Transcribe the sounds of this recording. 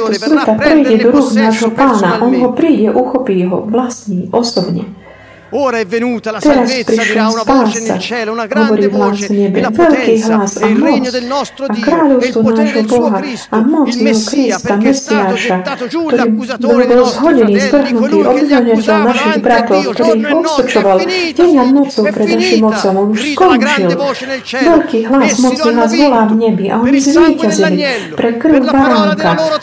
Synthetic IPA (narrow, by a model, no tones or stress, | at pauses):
t̪ɔsʋɛt̪apɾɛjɟɛd̪ɔɾuːxnaːʒɦɔpaːnaʔɔnɦɔpɾiːɟɛʔuxɔpiːɦɔʋlasniːʔɔsɔbɲɛ̰ | t̪ɛɾaspɾiʃlɔspaːsa̰ɦɔʋɔɾiːɦlazɲɛbɛ̰ʋɛʎkiːɦlasamɔt͡sakɾaːʎɔʊst̪ʋɔnaːʒɦɔbɔɦaamɔt͡sjɛɦɔkɾist̪amɛsiaːʃakt̪ɔɾiːbɔlbɔlzɦɔɟɛniːzʋr̩ɦnut̪iːʔɔd̪zɛlɲɛcɛʎnaʃiɣbɾat̪ɔʊkt̪ɔɾiːɣɔt̪sɔt͡ʃɔʋalɟɛɲanɔt͡sɔʊpɾɛd̪naʃiːmɔt͡sɔmɔnuʃskɔnt͡ʃil | ʋɛʎkiːɦlasmɔt͡sninaːzʋɔlaːvɲɛbiʔa̰ɔɲizʋiːcazilipɾɛkr̩ʊbaɾaŋka